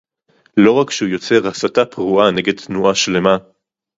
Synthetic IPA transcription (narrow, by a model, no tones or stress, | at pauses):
lo̞ʁakʃeujo̞t͡se̞ʁasatapʁuʔane̞ɡe̞d̚t̪nuaʃle̞ma